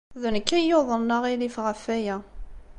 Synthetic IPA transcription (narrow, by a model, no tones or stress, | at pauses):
ðənkːæjoðˤənnːəʁilifʁəfæjæ